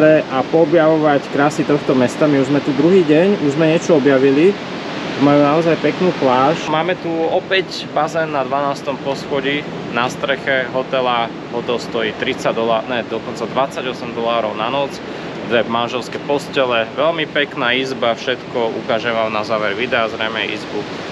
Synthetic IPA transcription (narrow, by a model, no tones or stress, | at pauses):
ɾɛʔapɔːbjaʋɔʋackɾaːsit̪ɔxt̪ɔmɛst̪amiuʒzmɛt̪ud̪ɾuɦiːɟɛɲuʒzmɛɲɪɛt͡ʃɔɔbjaʋili | majuːnaɔzajpɛknuːplaːʃmaːmɛt̪uɔpɛc | bazɛnːad̪ʋanaːst̪ɔmpɔsxɔɟi | nast̪ɾɛxɛɦɔt̪ɛla | ɦɔt̪ɛlst̪ɔjiːt̪ɾit͡sad̪ɔlaːnɛd̪ɔkɔnt͡sad̪ʋat͡saɟɔsɛmd̪ɔlaːɾɔʊnanɔt͡s | ʋʋɛmanʒɛlskɛpɔscɛlɛʋɛlmipɛknaːizbafʃɛt̪kɔṵkaʒɛʋamnazaːʋɛɾʋid̪ɛaːzɾɛmɛḭzbu